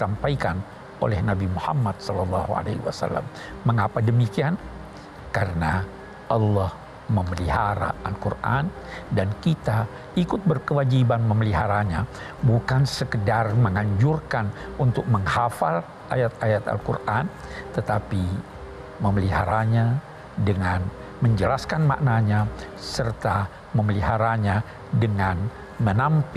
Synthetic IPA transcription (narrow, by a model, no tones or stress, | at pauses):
sampaikan | o̰lɛhnabimuhamːat̪̚sɔlɔlːɑhua̰lḛhwa̰sa̰lːa̰mː | əŋapadəmikian | kaɾəna | ʔɑlːɔh | məməliɦaɾa̰alkurʔa̰ndankit̪a | ikʊt̪̚bərkəwad͡ʒibanməməliɦaɾaɲa | bukansəkədarməŋaɲd͡ʒurkanunt̪ʊk̚məŋhafal | ʔajat̪ajat̪a̰lkṵrʔant̪ət̪api | məməliɦa̰ɾaɲa | dəŋan | məɲd͡ʒəlaskanma̰ʔnaɲa | sərt̪a | məməliɦaɾaɲa | dəŋan | mənampi